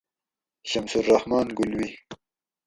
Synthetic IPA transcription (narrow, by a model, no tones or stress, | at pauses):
ɕamsuɾːahmɑːnɡʊlwi